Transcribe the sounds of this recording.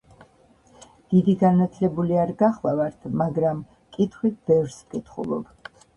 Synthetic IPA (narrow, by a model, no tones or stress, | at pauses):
d̪̥id̪iɡanat̪ʰlɛbuliaɾɡaχlˠavaɾt̪ʰmaɡɾam | kʼit̪ʰχwit̪̚ʰbɛvɾskʼit̪ʰχṵlˠɔ̰b̥